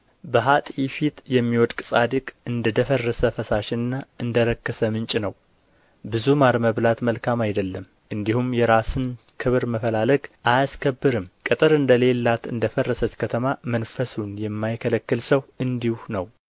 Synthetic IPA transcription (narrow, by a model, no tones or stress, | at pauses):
bəɦat̪ʼifit̪jɛmːiwɔd̪kʼɨ̥sʼad̪ɨkʼɨnd̪əd̪əfərːəsəfəsaʃɪnɨnːaɨnd̪əɾəkːəsəmɨnt͡ʃʼnəw | bɨzumaɾməβlat̪məlkʰamajd̪əlːəm | ʔɨnd̪ihumjɛɾasɨn | kʰɨβɨɾməfəlaləkʼʔajaskʰəbːɨɾɨmkʼɨt̪ʼɨɾɨnd̪əle̞lːat̪ɨnd̪əfərːəsət͡ʃkʰət̪ʰəmamənfəsunjɛmːajkʰələkːɨlsəwɨnd̪ihunəw